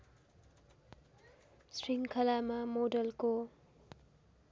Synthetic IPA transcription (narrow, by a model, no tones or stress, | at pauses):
sɾiŋkʰʌlamʌmodʌlko